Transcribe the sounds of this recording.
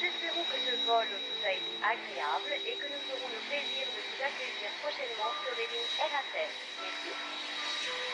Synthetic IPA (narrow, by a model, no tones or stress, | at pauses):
uzɛspeʁɔ̃kəsəvɔlot̪ut̪aet̪eʔaɡʁeablekənufəʁɔ̃ləpleziːʁd̪əvuzakəjiːʁpχɔʃɛnmɑ̃syʁleniŋɛnat̪ɛ | mɛʁsi